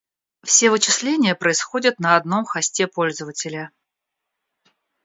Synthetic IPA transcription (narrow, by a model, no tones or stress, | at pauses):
fsʲe̞vɨt͡ɕɪslʲenʲɪjəpɾəɪsxo̞dʲət̪nəɐd̪no̞mxɐsʲtʲepo̞lʲzəvətʲɪlʲə